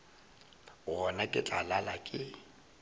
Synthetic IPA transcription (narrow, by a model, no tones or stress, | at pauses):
ɣɔnakʼɪt͡ɬʼalalakʼɪ